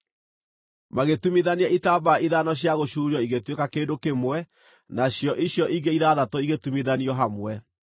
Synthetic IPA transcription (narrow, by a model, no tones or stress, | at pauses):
maɣetumiðaniaitabaiðanɔɕ̬jaɣoɕuːɾiɔiɣetwekakeːdokemwɛ | naɕjɔʔiɕjɔʔiɡeiðaðatɔiɣetumiðaniɔɦamwɛ